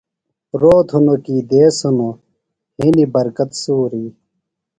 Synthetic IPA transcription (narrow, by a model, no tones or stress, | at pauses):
ɾoːt̪ʰunokiːd̪eːsuno | hinibɐɾkɐt̪suːɾiː